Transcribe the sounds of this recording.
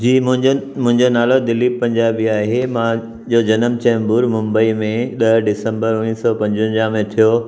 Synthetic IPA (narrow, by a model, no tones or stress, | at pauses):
d͡ʑiːmʊ̃mʊ̃ɦɪ̃ɲd͡ʑonaːlod̪ɪlːipɐ̃ɲd͡ʑaːbiaːɦemã | d͡ʑod͡ʑɐnəmt͡ɕɛ̃ːmbuːɾmʊ̃mbəimẽɗɐɖɪsə̃mbəɾʊniːsɔpɐ̃ɲd͡ʑə̃ɲd͡ʑãmẽt̪ʰijo